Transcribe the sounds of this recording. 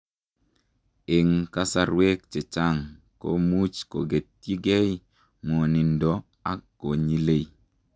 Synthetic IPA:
e˨ŋka˦sa˦ɾwe˦k̚t͡ʃe˨t͡ʃa˦ŋ | ko̰˦mu˦t͡ʃko˨ɡe˨tːi˦ɡe˦j | mo˨nɪ˨ndɔ˨˦ | a˦kːo˨ɲi˦le˦i˦

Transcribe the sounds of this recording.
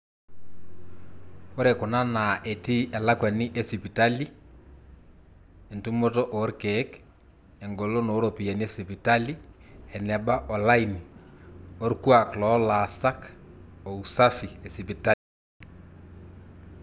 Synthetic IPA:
ko˦ɾe˨kʊ˨na˦na˨ʔe˨ti˦ɛ˨la˦kwa˨ni˦ʔe˦si˨pi˨ta˦li˦ | e˨ntu˦mo˦tɔ˦ʔo˨˦ɾke˨˦k | ɛ˨ŋɡo˨lo˦no˨˦ɾo˨pi˨ja˨ni˦e˦si˨pi˨ta˦li˦ | ɛ˨nɛ˨ba˦ʔɔ˨la˦ini˨ | o˦ɾkwa˨klɔ˦la˨sa˦kɔ˨u˨sa˦fi˨e˨si˨pi˨ta˦li˨

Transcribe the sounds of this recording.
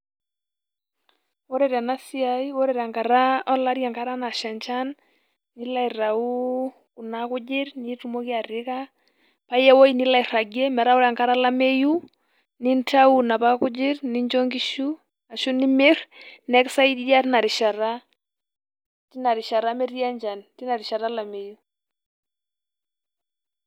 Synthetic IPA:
wo˦ɾɛ˨ɾa˨na˦si˦aiwɔ˦ɾɛɾa˨ŋka˨ɾa˦ɔ˦la˦ɾja˨ŋka˦ɾa˦na˨ʃɛ˨nt͡ʃa˦n | nɪ˦la˨i˨ra˨uː˦˨ | nakʊ˦d͡ʒɪ˦ɾnitu˦mo˦ki˦a˨rɪ˦ka˦ | pa˦jɛ˦wɔ˦i˦nɪ˦la˨iɾa˨ɡɛ˦mɛ˨ɾa˦ʊ˦ɾa˨ŋka˦ɾa˦la˦mɛ˦ju˦ | ni˦nta˦u˨na˨pa˦kʊ˦d͡ʒɪrni˦ɲd͡ʒɔŋki˦ʃu˦ | a˨ʃu˦nɪ˦mɪ˦rnɛ˦ksa˦i˦di˦ja˦tɪ˦na˨ɾɪ˨ʃa˨ɾa˦ | ti˦na˨ɾɪ˨ʃa˨ɾa˦mɛ˦ɾi˦a˦ɲd͡ʒa˨nti˦na˨ɾɪ˨ʃa˨ɾa˦la˨me˨ju˦

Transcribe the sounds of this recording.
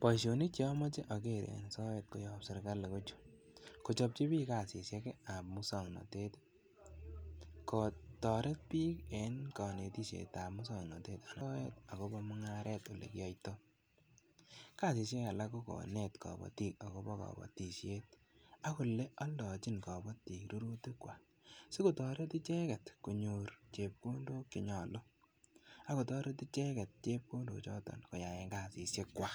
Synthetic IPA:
pɔ˨ʃo˨ni˦t͡ʃjɔ˦mɔ˦t͡ʃe˦ʔɔ˨ke˦˨ɾ̰n˨sɔ˦we˨t̚ko˦jɔ˨psɪ˨ɾka˦lːe˨ko˦t͡ʃu̥ | ko˨t͡ʃɔ˨p̚t͡ʃi˦bi˦ka˦˨si˨sje˦ke˦a˨pmʊ˦sɔ˨ŋnɔ̰˨te˦t | kɔ˨tɔ˨ɾɛ˦t̚pi˦ke˨nkɔ˨ne˨ti˦ʃḛ˨ta˨p̚mʊ˦sɔ˨ŋnɔ˨te˦ta˨lɔ˦wḛ˦ta˨ko˦bɔ˦mʊ˦ŋa˦ɾʔe˦to˨lḛ˨kjɔ˦jto˦ | ka˦˨si˨s̬je˦a˨la˦ko˦kɔ̰˨ne˦˨tkɔ̰˨bɔ̰˨ti˦k̚a˨ko˦bɔ˦kɔ̰˨bɔ̰˨ti˨ʃje˦t̚ | a˦ku˨le˦ɔ˦ndɔ˨t͡ʃi˦nkɔ˨bɔ˦ti˨kɾu˦ɾo˦ti˦kwa˨ | si˦ku˨tɔ˨ɾe˦ti˦t͡ʃɛ˦kɛ˨tku˨ɲu˨ɾt͡ʃe˨p̚ko˦ndo˦kɪ˨ɲɔ˨lo˦ | a˨˦ko˨tɔ˦ɾe˦ti˦t͡ʃe˦kɛ˨t̚t͡ʃe˦p̚ko˦ndo̰˨t͡ʃɔ˦tɔ̰˨nko˨ja˨e˦ŋɡa˦si˨se˦kwa˦

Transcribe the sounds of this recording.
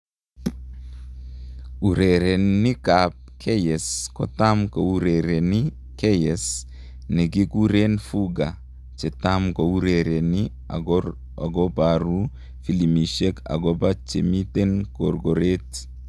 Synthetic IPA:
u˨ɾeɾe˨nːɪ˦kap̚kʰɛ˦jɛ˨skɔ˨t̪a˦mko˨u˦ɾeɾe˨nɪ˦ | kɛ˦jɛs | nɛ˨ɡi˦ku˦ɾe˦nfuɡa˨ | t͡ʃɛ˨t̪amkou˦ɾeɾe˨nɪ | aɡɔbaɾu˦ | fi˦li˨mi˨ʃe˦ka̰˨ɡɔ˦bat͡ʃemi˦t̪e˦nko˨rɡoɾet̪

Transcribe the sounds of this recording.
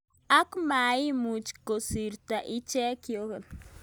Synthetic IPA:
a˦kma˨i˦mu˨t͡ʃko˨si˨ɾt̪a˨ʔi˦t͡ʃɛ˦kjo˦kɛ˨n

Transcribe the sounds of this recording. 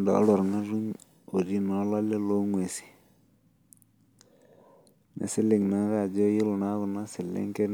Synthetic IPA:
nda˨a̰˦lɔ˨ɾŋa˦ru˦ɲ | o˨ɾi˦na˨˦la˦le˦lo˦ŋwe˨si̥˨ | na̰˨sɪ˦le˨ŋna˦ɣa˦˨d͡ʒo˦ji˦lo˨na˦ðu˨na˦si˨lḛ˦ŋke˦n

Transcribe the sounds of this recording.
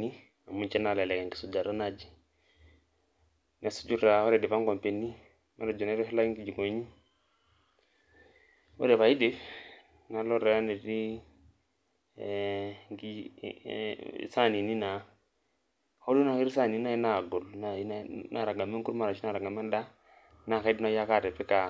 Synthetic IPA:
ni˦ | a˨mu˦nt͡ʃɛ˦na˨la˨lɛ˨ka˨ŋɡi̥˨su˨d͡ʒa˨ɾa˦na˨d͡ʒi̥˨ | na˨su̥˦d͡ʒu˦ɾa˨hɔ˦ɾɛ˨di˨pa˦ŋɡɔ˨mpe˨nːi˦ | ma˦ɾa˨d͡ʒɔ˨na˦ɾi˦fla˦ŋɡi˨d͡ʒi˨ɡo˨ɲi˦ | wo̰˦ɾɛ˨βa˨i˦di˦ | na˨lɔ˦ɾa˨a˦ne˨ɾi˦ | ŋɡi˦ | sa˦˨ni˨ni˦na˨ | ho˦lu˦na˨ki˦ɾi˦sa˦˨ni˨˦na˦˨i˦na˨ɡɔ˨lna˨i˦na˦na˨ɾa˨ɡa˨me˦ŋ˦ku˦ɾma˨ɾa˨t͡ʃi˦na˦˨ɾa˨ɡa˨mɛ˦nda˦ | na˨ka˦i˦dna˦ja˦ka˦˨ɾɛ˨pɛ˦ka˨

